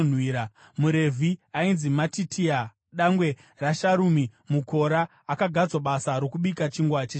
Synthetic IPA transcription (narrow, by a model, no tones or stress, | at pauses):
n̤wiːɾa | muɾe̞vʱiainzimatitʰia | ɗaŋɡwe̞ | raʃaɾumimuko̞ɾaː | kaɡʱad͡zwaɓasaɾo̞kuɓikat͡ʃiŋɡwat͡ʃe